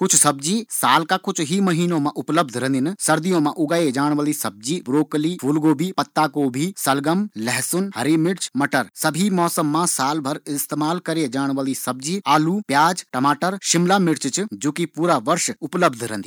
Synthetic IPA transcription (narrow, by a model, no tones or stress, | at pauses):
kʊt͡ʃʰsɐb̚d͡ʒiːsaːlkakʊt͡ʃʰɦimɐɦiːnõmãʔʊpləb̚d̪ʱɾɛ̃nd̪ɪnsɐɾd̪ijõmãʔʊɡaːed͡ʒaːɽ̃ʋəlisɐb̚d͡ʒiːbɾoːklifʰuːlɡoːbʱipɐt̪ːaːkobʱiːsɐlɡəmlɛɦsʊnhɐɾimɪɽt͡ʃmɐʈəɾsɐbʱimɔːsəmːãsaːlbʱɐɾɪst̪eːmaːlkɐɾed͡ʒaːɽ̃ʋəlisɐb̚d͡ʒiːaːluːpjaːd͡ʒʈɐmaːʈəɾʃɪmlaːmɪɽt͡ʃt͡ʃd͡ʒoːkipuːɾaʋɐɾʃʊpləbd̪ʱɾɛ̃nd̪i